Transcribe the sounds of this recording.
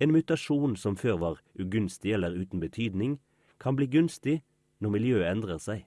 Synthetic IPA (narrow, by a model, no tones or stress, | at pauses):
eːnmʉt̪ɑʃuːnsɔmføːʁʋɑːʁ | ʉɡʉnst̪ɪɛlːəʁʉːt̪n̩bət̪ʰyːd̪nɪŋ | kʰɑnbliːɡʉnst̪ɪ | nɔʁmɪljøːɛnd̪ʁəʁsæɪ